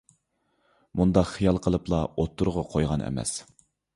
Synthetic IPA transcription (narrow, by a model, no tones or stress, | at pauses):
mund̪ɑqχijɑlˠqʰəlˠɨplˠɑot̪ʰːuɾʁɑqʰojʁɑnɛ̰mɛ̰s